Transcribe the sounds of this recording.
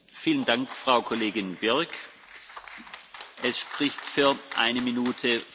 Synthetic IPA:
fiːləndaŋkfʁ̥aʊkʰoleːɡɪnb̥ɪɐk | ʔɛsʃpʁ̥ɪçtfyːɐʔa̰ɪnəminuːtʰə

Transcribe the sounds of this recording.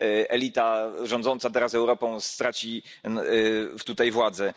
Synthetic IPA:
ʔɛlʲit̪aʐɔ̃nd̪zɔnt̪sat̪ɛɾasɛwɾɔpɔ̃w̃st̪ɾat͡ɕi | ft̪ut̪ajvwad̪zɛ

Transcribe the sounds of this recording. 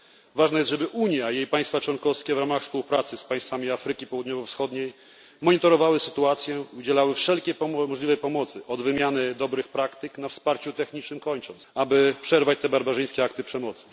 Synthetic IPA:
vaʐnɛjɛst̪ʐɛbɘʔuɲjajejpajst̪fat͡ʂwɔnkɔfskʲɛvɾamaxfspuwpɾat̪sɘspajst̪famʲiafɾɘkʲipɔwud̪ɲɔvɔfsxɔd̪ɲej | mɔɲit̪ɔɾɔvawɘsɘt̪uat̪sʲjɛud͡ʑɛlawɘfʂɛlkʲɛmɔʐlʲivɛjpɔmɔt̪sɘʔɔd̪vɘmʲjanɘd̪ɔbɾɘxpɾakt̪ɘknafspaɾt͡ɕut̪ɛxɲit͡ʂnɘmkɔɲt͡ʂɔnt̪sabɘpʂɛɾvat͡ɕt̪ɛbaɾbaʐɘjskʲɛakt̪ɘpʂɛmɔt̪sɘ̥

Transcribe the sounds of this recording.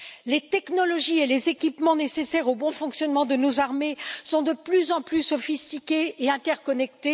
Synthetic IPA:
let̪ɛknɔlɔʒielezekʲipmɑ̃nesesɛʁobɔ̃fɔ̃ksjɔnmɑ̃d̪ənozaʁmesɔ̃d̪əplyzɑ̃plysɔfist̪ikʲeeɛ̃t̪ɛʁkɔnɛk̚t̪e

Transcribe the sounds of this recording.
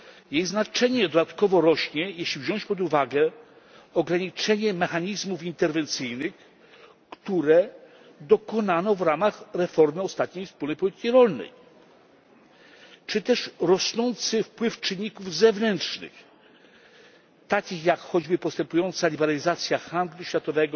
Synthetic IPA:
jejznat͡ʂɛɲɛd̪ɔd̪at̪kɔvɔɾɔɕɲɛjɛɕlʲivʑɔ̃ɲ̃t͡ɕpɔd̪uvaɡɛ | ɔɡɾaɲit͡ʂɛɲɛmɛxaɲizmufint̪ɛɾvɛnt̪sɘjnɘx | kt̪uɾɛ | d̪ɔkɔnanɔvɾamaxɾɛfɔɾmɘɔst̪at̪̚ɲejfspulnɛjpɔlʲit̪ɘ̥kʲiɾɔlnɛ̰j | t͡ʂɘt̪ɛʂɾɔsnɔnt̪sɘfpwɘft͡ʂɘɲːikuvzɛvnɛntʂnɘ̰x | t̪akʲixjakxɔd͡ʑbɘpɔst̪ɛmpujɔnt̪salʲibɛɾalʲizat̪sʲjaxand̪luɕfʲjat̪ɔvɛɡɔ

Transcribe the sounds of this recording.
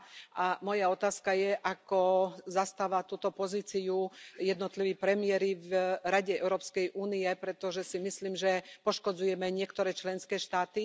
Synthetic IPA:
ʔamɔjaɔt̪aːskajɛʔakɔzast̪aːʋat̪uːt̪ɔpɔziːt͡siujɛd̪nɔt̪liʋiːpɾɛmiɛɾivɾaɟɛɛ̰ʊɾɔːpskɛjʔuːnijɛpɾɛt̪ɔʒɛsimisliːmʒɛpɔʃkɔd͡zujɛmɛɲɪɛkt̪ɔɾɛːt͡ʃlɛnskɛːʃt̪aːt̪i

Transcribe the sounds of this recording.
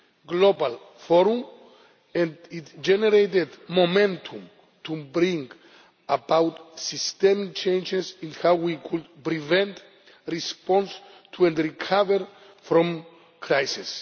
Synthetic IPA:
ɡlobal | fɔɾũm | ɛ̃nditd͡ʒɛneɾejt̪ed̪momɛ̃nt̪ʰũm | t̪ubɾĩŋɡ | abawtsist̪ɛmit͡ʃʰẽjnd͡ʒesĩnhawwikʰudpɾivɛ̃nt | ɾispɔ̃ns | t̪ʰuɛ̃ndɾikʰavəɹ | fɾɔ̃m | kʰɾajsis

